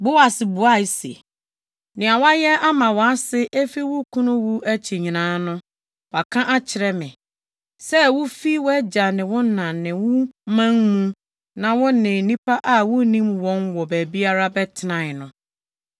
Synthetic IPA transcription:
bʊ˦a˨sɪ˨bu˨a˦˨i˦sḛ˨ | nɪ̃˨a˨wa˦jɛ˦a˦mã˨wɔ˨˦a˦sɪ˦ʔe˦fi˦wʊ˦kʰũ˦nʊ̃˦wu˦ʔæ˦t͡ɕʰi˨ɲĩ˨nãː˨˦nʊ̃˦ | wa˨kʰã˦ʔa˦t͡ɕʰɪ˨ɾɛ˦mɪ̃˨ | sɛ˦wʊ˦fi˦wɛ˦d͡ʑa˨nɪ̃˨wʊ̃˦nã˨nɪ̃˨wʊ̃˦mã˦ŋmũ˦ | nã˨wʊ̃˦nɪ̃˨nĩ˦pa˦ʔa˨wʊ˦nĩ˦mwɔ̃˦nwɔ˨bæ˨bi˦a˦ɾa˦bɛ˦tʰɪ˦nã˨nʊ̃˨

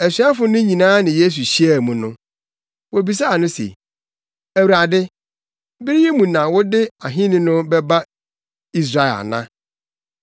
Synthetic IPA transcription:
æ˨sɥa˦fʊ˨˦nʊ̃˦ɲĩ˨nãː˦nɪ̃˨je˦s̬u˨ɕi˦æ˨mũ˨nʊ̃˦ | wo˨bi˨s̬a˦˨nʊ̃˦sḛ˨ | æ˨wu˨ɾa˨dɪ˦ | bɪ˦ɾi˦je˦mũ˨nã˨wʊ˦dɪ˦a˨ɦɪ̃˦nɪ̃˦nʊ̃˦bɛ˦ba˦ | i˦s̬ɾa˦ɛ˨la̰˨nã̰˦

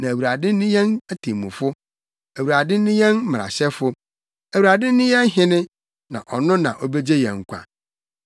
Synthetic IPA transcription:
nã˨æ˨wu˨ɾa˨dɪ˦nʊ̃˦jɛ̃˦næ˦tʰe˨mũ˨fʊ˦ | æ˨wu˨ɾa˨dɪ˦ʊ̃˦jɛ̃˦n̩˦m˨ɾa̰˨ɕɛ˦fʊ˦ | æ˨wu˨ɾa˨dɪ˦nʊ̃˦jɛ̃˦n˦ɦɪ̃˦nɪ̃˦ | nã̰˨ʔɔ˨nʊ̃˦nã̰˨ʔɔ˦be˦d͡ʑe˦jɛ̰̃˨ŋ̩˨kʷʰa̰˨

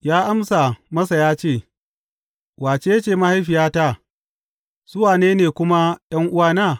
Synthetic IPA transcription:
jaː˦ʔa˦msa˨mɐ˦sa˨jaː˦t͡ʃeː˦˨ | waː˨t͡ʃeː˦ja˦t͡ʃeː˦˨ma˦ha˦jɸɪ˨jaː˦ta˦˨ | z̥ʊ˦waː˨neː˦neː˨kʷʊ˦ma˦jɐ˦ŋʔʊ˦waː˦naː˦˨

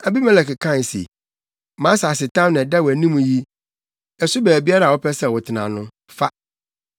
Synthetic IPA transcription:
a˨bi˦mɛ̃˨lɛ˨kɪ˨kʰã˦˨n˨sḭ˨ | mãː˨˦sa˨sɪ˨tʰã˦mnɪ̃˨da˦wæ˨nĩ˦mũ˨ji˦ | ɛ˨sʊ˦bæ˨æ˨bi˦a˦ɾa˨wɔ˦pʰɛ˦sɛ˦˨wɔ˨tʰɪ˨nã˨nʊ̃˦ | fa˦

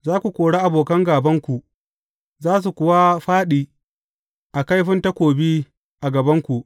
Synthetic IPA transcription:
zaː˦kʷu˨kʷoː˨ɽaː˦ʔa˨boː˨kɐ˦ŋɡaː˨bɐ˦ŋkʷu˨ʔ | zaː˦s̬u˨kʷʊ˨wa˦ɸaː˦ɗiː˨ | ʔa˨ka˦jɸɪ˦ntɐ˦kʷoː˨biː˦ | ʔa˨ɡɐ˨bɐ˦ŋkʷu˨ʔ

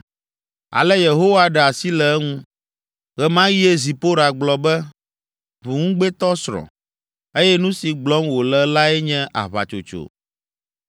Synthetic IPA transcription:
a̰˨lɛ˦je˨ɦo˦wa˦ɖɛ˨a˨si˦lɛ˨ɛ˦ŋũ˦ | ɣɛ˨mã˦ji˦e˦zi˨po˦ɾa˨ɡ͡blɔ˨bɛ˦ | βu˨ŋũ˦ɡ͡bɛ˦t̪ɔ˦sɾɔ̰̃˨ | e˦jɛ˦nũ˦si˨ɡ͡blɔ˦mwo˨lɛ˦la˦ɛ˦ɲɛ̃˦ʔa̰˨βa̰˨t͡ʃo̰˨t͡ʃo̰˨

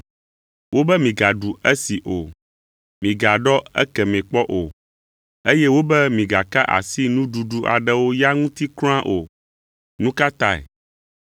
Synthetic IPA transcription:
wo˦bɛ˦mĩ˨ɡa˨ɖu˨ɛ˦si˨ʔo˨ | mĩ˨ɡa˨ɖɔ˦ɛ̰˦kɛ˨mɛ̃˨k͡pɔ˦ʔo˨ | e˦jɛ˦wo˦bɛ˦mĩ˨ɡa˨ka˦ʔa̰˨si˦nũ˦ɖu˨ɖu˦ʔa̰˨ɖɛ˦wo˦ja˦ŋũ˦t̪i˦kl̃ã˦ʔo˨ | nũ˦ka˦t̪a˦ɛ̰˨

